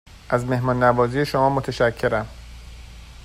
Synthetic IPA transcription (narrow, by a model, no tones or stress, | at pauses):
ʔæzme̞hmɒːnːæbɒːzijeʃomɒːmot̪ʰeʃæcʰːe̞ɾæm